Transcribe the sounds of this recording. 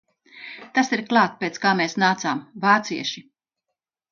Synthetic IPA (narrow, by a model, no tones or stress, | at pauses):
t̪asiɾklˠaːt̪peːt̪skaːmeːsnaːt̪saːmvaːt̪siɛʃi